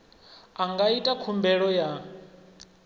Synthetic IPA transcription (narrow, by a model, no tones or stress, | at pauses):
aŋɡaitʼakʰumbɛɺɔja